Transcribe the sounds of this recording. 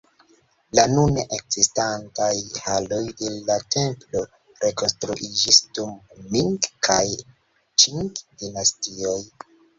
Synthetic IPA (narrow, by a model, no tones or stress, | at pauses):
lanuneʔekz̥istantajhalo̞jdelːatʰe̞mpdo̞ | ɾe̞ko̞nstɾuʔid͡ʒisdumːiŋkkʰaj | t͡ʃiŋkdinastio̞j